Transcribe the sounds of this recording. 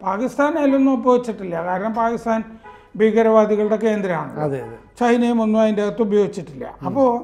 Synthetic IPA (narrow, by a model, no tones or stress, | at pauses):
paːkist̪aːnajlːonːumubɐjo̞ːɡit͡ɕːiʈːilːɐkaːɾɐɳɐmpaːkist̪aːn | bʱiːɡɐɾɐʋaːd̪iɣɐɭuɽe̞ke̞ːnd̪ɾɐma̰ːɳɐðḛɐet͡ɕɐhinɐjumonːuaːðindeɣɐt̪ːubɐjoːɡit͡ɕːiʈːilːɐ̰ɐpːoː